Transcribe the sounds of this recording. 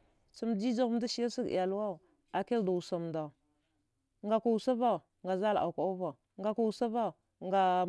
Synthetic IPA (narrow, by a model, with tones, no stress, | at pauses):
t͡su˦md͡ʒi˦d͡ʒa˦ɣu˦m˦da˦ʃi˦a˦si˦ɡḭ˨ja˨lu˦wa˦˨ | a˨ke˦lda˨u˨sa˨mnda˨ | ŋɡa˨ka˨u˨sa˦va˦˨ | ŋɡa˨za˦la̰˨ka˨u˦va˨ | ŋɡa˨ka˦˨u˨sa˦va˦˨ | ŋɡa˨